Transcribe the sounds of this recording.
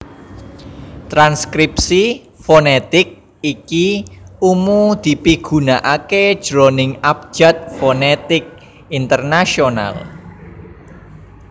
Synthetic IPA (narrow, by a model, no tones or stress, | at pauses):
t̪ɾanskɾip̚si | fonet̪ɪk̚ | ikiumud̪̥i̤piɡ̥ṳnaʔaked̥ʒ̥ɾɔnɪŋap̚d̥ʒ̥a̤t̪̚fonet̪ɪk̚ | int̪ərnasiona̰l